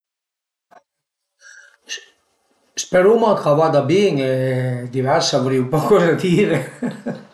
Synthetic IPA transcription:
speɾumakʰavaːd̪abeŋed̪ivɛɾsavoɾiupɔkɔzad̪iːɾe

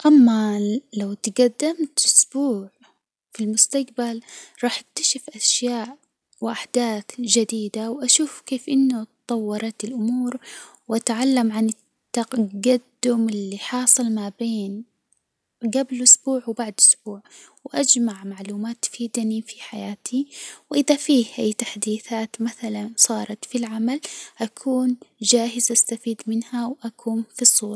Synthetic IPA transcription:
ʔamːalawt̪ɡad̪ːamt̪ʔʊsbuːʕ | filmʊst̪aqbalɾˤɑːħak̚t̪ḁʃɪfʔaʃjaːʔ | wʔaħd̪̥aːθd͡ʒad̪iːd̪awʔaʃuːfkeːfʔɪnːʊt̪ˤɑwːɑɾˤɑt̪ɪlʔʊmuːɾwʔat̪ʕalːamʕanɪt̪ːaɡad̪ːʊmɪlːiħɑːsˤɨlmabeːn | ɡablʔʊsb̥uːʕwbaʕd̪ʔʊsbuːʕwʔad͡ʒmaʕmaʕluːmaːt̪ːfiːd̪anifi̥ħajaːt̪ʰiwʔɪðafiːhʔajt̪aħd̪iːθaːt̪maθalansˤɑːɾˤɑt̪filʕamalʔakʰuːnd͡ʒaːɦɪzʔast̪afiːd̪mɪnhawʔakʰuːnfisˤːuːɾɑ

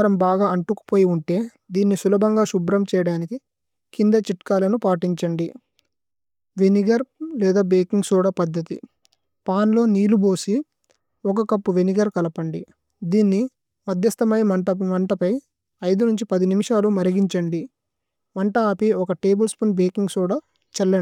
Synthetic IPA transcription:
ɾɐmbaːɡaːɐɳʈuku̥po̞ːjiuɳʈe̞ː | d̪iːnːisulɐbʱɐŋɡaːʃubɾɐmt͡ʃɛːjɐɽaːniki | kind̪ɐt͡ʃiʈkaːlɐnupaːʈiɲt͡ʃɐɳɖi | ʋeniɡɐɾlɛːd̪aːbeːkiŋɡsuːɽɐpɐd̪ːɐt̪i | paːnlo̞ːniːlubo̞ːsi | ɔkɐkɐpːuʋeniɡɐɾkɐlɐpɐɳɖi | d̪iːnːi | mɐd̪ʱjɐst̪ɐmɐjmɐɳʈɐmɐɳʈɐpɐj | ɐjd̪unuɲt͡ʃipɐd̪inimiʂaːlumɐɾɐɡiɲt͡ʃɐɳɖi | mɐɳʈɐaːpiɔkɐʈe̞ːbɐlspunbeːkiŋɡsuːɽaː | t͡ʃɛlːɐ

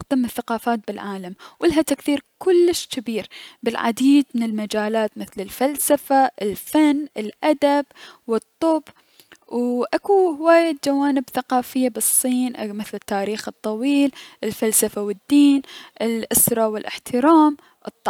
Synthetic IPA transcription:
qd̪amɪθːaqɑːfaːt̪̚bɪlʕaːlamwʔɪlɦat̪akθiːɾkʊlːɪʃkɪbiːɾbɪlʕa̰d̪iːd̪̚mɪnɪlmad͡ʒaːlaːt̪mɪθlɪlfalsafaʔɪlfanːʔɪlʔad̪abwɨt̪ˤːʊb | wʔakuhɪwaːjad͡ʒawaːnɪbθaqɑːfɪjːabɨsˤːiːnʔmɪθlɪt̪ːaːɾiːxɨt̪ˤːɑwiːlʔɪlfalsafawɪd̪ːiːnʔɪlʔʊsɾˤɑwɪlʔɪ̰ħt̪ʰɪɾaːm | ʔɨt̪ˤːɑ

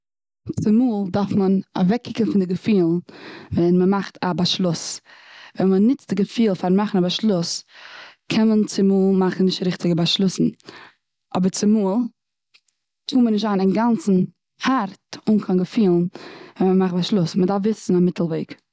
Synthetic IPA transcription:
t͡st͡sɪmuːlˠdaɾfməna̰vɛkʰːɪkənfɪndɪɡəfiːlˠvɛnməmaχtʰabaʃlˠʊsvɛnmənɪt͡sd̥ɪɡəfiːlˠfaɾmaχn̩abaʃlˠʊs | kʰɛnmənt͡sɪmuːlˠmaχn̩nɪʃtɾɪχtɪɡəbaʃlˠʊsn̩ | ɔbəɾt͡sɪmuːlˠ | tʰuːmənɪʃ̬tanɪnɡant͡sn̩ | haɾtʊnkʰanɡəfiːlˠnvɛnməmaχt̚baʃlˠʊsmədafvɪsn̩amɪtʰl̩ˠveɪk

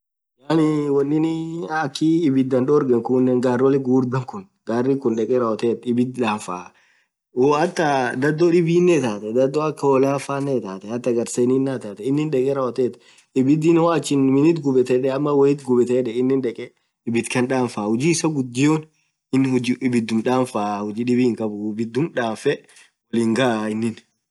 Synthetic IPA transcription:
jaːnɪwɔnːɪnɪɐkːiːbɪt̪̚d̪ɐnɗɔɾɡɛŋkʊnːɛŋɡaːrwɔlɛɡuːɾd̪ɐŋkʊn | ɡ̥aːrːikʊnᶑɛkʼɛɾaɔt̪eːt̪ɪbɪt̪ᶑaːɱfa̰ː | oɐt̪ːɐd̪ɐd̪ɔᶑɪbiːnːɛt̪aːt̪ɛd̪ɐd̪ːɔɐkːɐɔlaːfaːnːet̪aːt̪ɛhɐt̪ːɐɡɐɾseniːnːat̪aːt̪ɛɪnːɪnᶑɛkʼɛɾaɔt̪eːt̪ | ɪbɪd̪ɪnwaːt͡ʃːɪnmɪnɪt̪ɡʊbɛt̪ɛᶑɛɐmːɐwɔɪt̪ɡʊbɛt̪ɛᶑɛɪnːɪnᶑɛkʼɛ | ɪbɪt̪kɐnᶑaːnfaːhʊd͡ʒiːɪsɐɡʊd̪ːɪjoːn | ɪnːʊd͡ʒbɪd̪ːʊmᶑaːnfaːhʊd͡ʒiːᶑɪbiːɪŋkʼɐbʊbɪd̪ːʊmᶑaːfɛ | wɔliːŋɡaʔɪnːɪn

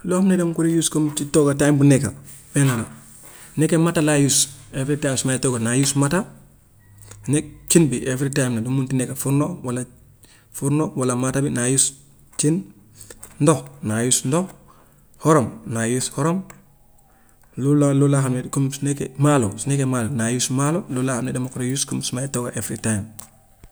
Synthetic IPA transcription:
lohamnedamkuɾijuskomt͡ʃitoɡatambunekabenana | nekematalajusefɾitajmsmatoɡanajusmata | nek̚t͡ʃinbiʔefɾitaimnadumuntinekafuɾnowala | fuɾnowalamatabinajus | t͡ʃin | ndohnajusndo | hɔɾomnajushɔɾom | lullulaxamedkumsnekḛmalosinekemaːlonajusmalolulahanedamakuɾojuskumsumajtoɡaʔefɾitajm

